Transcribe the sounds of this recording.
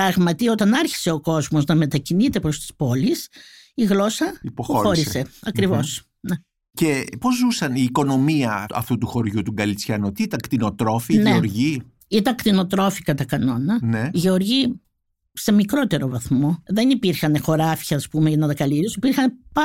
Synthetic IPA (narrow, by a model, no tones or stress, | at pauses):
pɾɐɣmɐt̪iot̪ɐnɐɾçi̥se̞o̞ko̞zmo̞znɐme̞t̪ɐcinit̪e̞pɾost̪i̥spo̞lis | iɣlo̞sɐopoxo̞ɾise̞ɐkɾivo̞s | ne | ce̞po̞zzusɐniːko̞no̞miɐɐ̰ft̪ut̪uxo̞ɾʝut̪uɡɐlit͡sçɐnut̪iit̪ɐŋkt̪ino̞t̪ɾo̞finʝeoɾʝi | it̪ɐŋkt̪ino̞t̪ɾo̞fikɐt̪ɐkɐno̞nɐneiʝe̞oɾʝi | se̞mikɾo̞t̪e̞ɾo̞vɐθmo̞ðe̞nipiɾxɐnexo̞ɾɐfçɐːspume̞ʝɐnɐt̪ɐkɐliɾiosipiɾxɐnpɐ